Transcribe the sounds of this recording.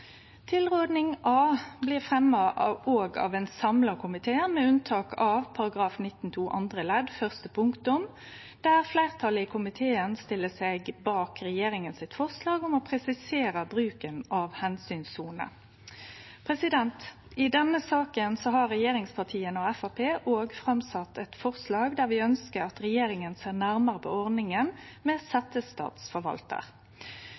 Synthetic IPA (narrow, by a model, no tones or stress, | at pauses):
t̪ʰɪlʁoːd̪nɪŋʔɑːblɪʁfʁɛmːɑoːɡɑ̰ːʋɛnsɑmlɑkʰʊmɪt̪ʰeːəmɛʉnt̪ʰɑːkʰɑʋpʰɑʁɑɡʁɑːfnɪt̪ːn̩t̪ʰuːʔɑ̰nd̪ʁəlɛd̪fœʁst̪əpʰʊŋkt̪ʊm | d̪̥æʁflæɪʁt̪ʰɑləɪkʰʊmɪt̪ʰeːənst̪ɪlːəsɛɡbɑːkɾɛjeːɾɪŋənsɪt̪fɔʁslɑːɡɔmɔpʰʁɛsɪseːɾəbɾʉːkənɑʋhɛnsyːnsuːnə̰ | pʰʁɛsɪd̪ɛnt̪ | ɪd̪ɛnːəsɑːkənsɔɦɑʁɛjeːɾɪŋspʰɑt̪ʰiːənɔɛfɑpʰeːʔoːɡfʁɑmsɑt̪ʰːɛt̪fɔʁslɑːɡd̪æʁʋɪœnskəɾɑt̪ʁɛjeːɾɪŋənseːʁnæʁməʁəpʰɔ̰ːɔʁd̪ɪŋənmɛsɛt̪əst̪ɑ̰ːt̪sfɔɾʋɑ̰lt̪ə̰ʁ